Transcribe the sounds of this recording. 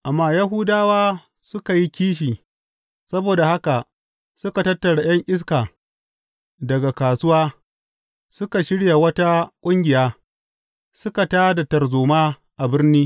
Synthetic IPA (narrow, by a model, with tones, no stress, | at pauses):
ʔa˨mːaː˦˨jɐ˦ɦʊ˦daː˦waː˦ | sʊ˦ka˨ji˦kʲiː˦ʃ̬iː˨ | sɐ˦boː˨da˨ha˦ka˨ʔ | sʊ˦ka˨tɐ˦tːɐ˨ɽaː˨j̰ɐ˦ŋʔɪ˦s̬kaː˨ | dɐ˨ɡa˨kaː˨sʊ˦waː˦ | sʊ˦ka˨ʃɪ˦ɽja˨wɐ˦ta˦kʷʼʊ˦ŋɡʲɪ˨jaː˦ | sʊ˦ka˨taː˦da˨tɐ˨rzoː˨maː˦ | ʔa˨bɪ˦rniː˦